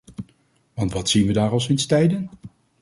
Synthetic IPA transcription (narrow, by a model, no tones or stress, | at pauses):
ʋɑntʋɑtsinʋədaːɹɑlˠs̬ɪnstɛjdən